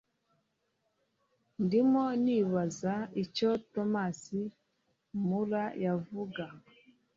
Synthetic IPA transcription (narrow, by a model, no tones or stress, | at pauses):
ndimoniβazaicotomasi | muɾajavuɡa